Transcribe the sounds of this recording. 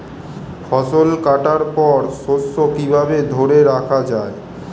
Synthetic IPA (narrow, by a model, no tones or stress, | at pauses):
fɔʃolkaʈaɾpɔɾʃosːokibʱabed̪ʱoɾeɾakʰad͡ʑae